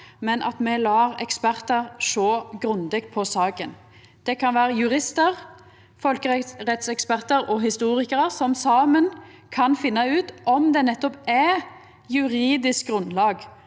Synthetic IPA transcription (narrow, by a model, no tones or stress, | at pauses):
mɛnʔɑ̰t̪mɛlɑːʁɛ̰kspæʁt̪əʁʂoːɡɾʉnd̪ɛk̚t̪̚pʰɔsɑːkən | d̪̥ɛkʰɑnʋæːɾəjʉʁɪst̪əʁ | fɔlkəʁɛt̪sɛkspæʁt̪əɾɔɦɪst̪uːʁɪkəɾəsɔmsɑːmən | kʰɑnfɪnːɑʉːt̪ʔɔmd̪ɛnɛt̪ːɔpɛ | jʉɾiːd̪ɪsk̚ɡɾʉnd̪lɑːɡ